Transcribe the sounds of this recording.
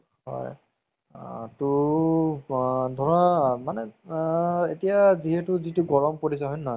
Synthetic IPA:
hɦɔ̰j | tʊ | dʱɔɹɔnamanɛ | etijaziɦɛtʊzituɡɔɹɔmpoɹis̬ɛɦɔjnːɔɦɔj

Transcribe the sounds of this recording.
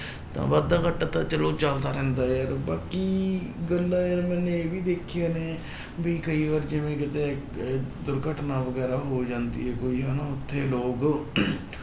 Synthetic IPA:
t̪ã̰ːʋad̪aːkəʈːaːt̪ãːt͡ʃəloːt͡ʃəld̪aːɾɛ̃ːnd̪aːjəːɾbaːkiːɡəlːaːjəɾmɛ̃ːnẽeːbiːd̪eːkʰɪjaːneː | bʱiːkəiːʋaːɾd͡ʒɪʋẽːkɪt̪eː | d̪ʊɾɡəʈnaːʋəɡɛːɾaːɦoːd͡ʒãːnd̪ḭːɦɛːkoːiːɦənaːʊt̪ʰːeːloːɡ

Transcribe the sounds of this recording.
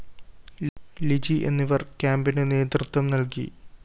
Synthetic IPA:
lid͡ʑiʔe̞̰nːiʋɐrkʲaːmbinɨne̞ːt̪rɨt̪wɐmnɐlkḭ

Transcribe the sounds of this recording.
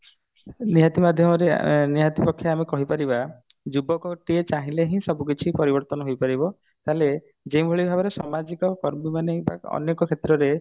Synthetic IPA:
niɦat̪imad̪ʱjɔmɔɾḛniɦat̪ipɔkʰːjaamekɔɦipaɾiba | d͡ʒubɔkɔʈiet͡ʃaɦĩleɦĩsɔbuk̬it͡ʃʰipɔɾibɔɾt̪ɔnɔɦojpaɾibɔ | t̪ale | d͡ʒejbʱoɭibʱabɔɾesɔmad͡ʒikɔkɔɾmimaneba̰ɔ̰nekɔkʰet̪ɾɔɾe

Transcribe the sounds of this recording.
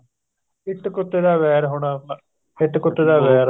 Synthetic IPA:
ɪʈkʊt̪ːeːd̪aːʋɛːɾɦoːɽaː | ɪʈkʊt̪ːeːd̪aːʋɛːɾ

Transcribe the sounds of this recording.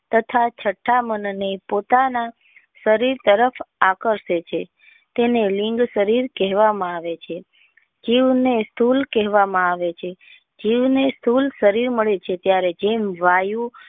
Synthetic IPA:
t̪ət̪ʰat͡ʃʰəʈʰːamənnepot̪ana | səɾiɾt̪əɾəfakəɾʃet͡ʃʰe | t̪eneliŋɡsəɾiɾkɛɦʋamãaʋet͡ʃʰe | d͡ʒiʋnest̪ʰulkɛɦʋamãaʋet͡ʃʰe | d͡ʒiʋnest̪ulsəɾiɾməɭet͡ʃʰet̪jaɾed͡ʒemʋajũ

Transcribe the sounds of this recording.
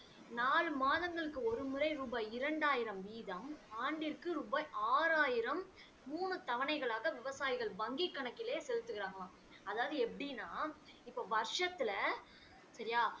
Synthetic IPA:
naːɭmaːðɐŋɡɐɭɯkːɯɔɾɯmɯɾɐɪɾuːbaːɪɾɐɳɖaːjɪɾɐmʋiːðɐmaːɳɖɪɾkɯɾubaːʔaːɾaːjɪɾɐmː | uːnɯt̪ɐʋɐnɐɪɣɐɭaːɣɐʋɪʋɐsaːjɪɣɐɭbɐŋɡikːɐɳɐkːɪleːsɛlɯt̪ːɯɣɪɾaːŋɡɐmaː | ɐðaːʋɐðɯɛpːɐɽinːaːɪpːoːʋɐɾʂɐt̪ːɪlɐ | sɐɾɪjaː

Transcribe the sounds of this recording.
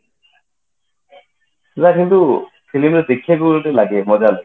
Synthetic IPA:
zakint̪u | fʰilimɾet̪ekʰːjeɡulʈelaɡemɔd͡ʑal

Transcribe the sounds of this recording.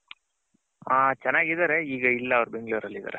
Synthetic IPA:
aːt͡ʃɛnːaːɡid̪aːɾeiːɡɐilːɐːʋɐɾube̞ŋɡɭuʋɐɾɐlːid̪a̰ːɾe

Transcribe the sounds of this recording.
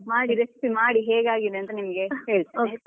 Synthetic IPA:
maːɽiɾesipimaːɽiɦeːɡaːɡid̪eɐnt̪ɐnimɐɡehe̞ːɭit̪iːok

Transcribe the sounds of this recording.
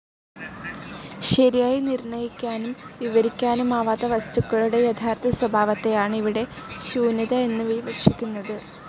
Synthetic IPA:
ɕɐɾijaːjinirɳɐjikʲːaːnumʋiʋɐɾikʲːaːnumaːʋaːd̪ɐʋɐst̪ukːɐɭuɽe̞jet̪ʰaːrt̪ʰɐswɐbʱaːʋɐt̪ːe̞jaːɳɨiʋiɽe̞ɕuːnɐðɐe̞nːɨʋiʋɐrʂikʲːunːɐðɨ

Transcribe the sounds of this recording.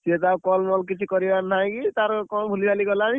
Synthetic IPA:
set̪akɔlmɔlkit͡ʃʰikɔɾibaɾnaj̃kit̪aɾkɔmbʱulibʱalikɔlani

